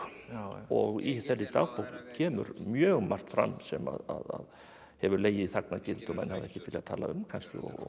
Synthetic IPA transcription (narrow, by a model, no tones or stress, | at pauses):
ɔɣiθɛrːɪt̪aɣpowcʰɛːmʏ̰ɾmjœːɣmar̥t̪fɾa̰mːsɛma̰ðaðað | hɛvʏɾleːjɪðθaknacɪlt̪ʏmanhavðɛhcɪfɪlɪɣat̪ʰaːlaʏmkʰanscɪ̰ɔ̰ɣɔ